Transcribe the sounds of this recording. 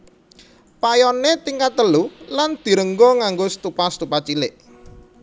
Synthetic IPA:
pajɔnet̪iŋkat̪əluland̪̥i̤ɾəŋɡɔŋaŋɡost̪upast̪upat͡ʃilɪʔ

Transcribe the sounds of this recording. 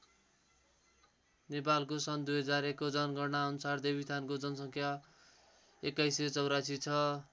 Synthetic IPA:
nepalkosʌnd̪ujɦʌd͡zaɾekod͡zʌnɡʌrnaʌnusard̪ebʱist̪ʰankod͡zʌnsʌ̃ŋkʰja | ekːajsʌt͡sʌwɾasit͡sʰʌ

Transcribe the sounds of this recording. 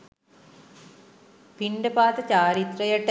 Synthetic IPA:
piɳɖɐpaːt̪ɐt͡ɕaːɾit̪rɐjɐʈː

